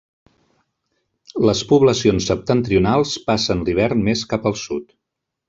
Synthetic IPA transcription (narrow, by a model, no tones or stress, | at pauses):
ləspuβləsionsːəp̚t̪ənt̪ɾiunalˠspasənliβ̞ɛɾnmeskapəlˠsut̪